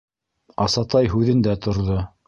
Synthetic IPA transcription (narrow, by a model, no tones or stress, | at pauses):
ɑsɑt̪ɑjɦʉðɘ̆nd̪æt̪ŏɾðo